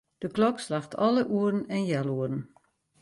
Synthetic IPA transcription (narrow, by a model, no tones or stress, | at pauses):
d̥əklɔkslaxtʰɔ̰lˠəʔuərən̩ɛnjɛlˠuərn̩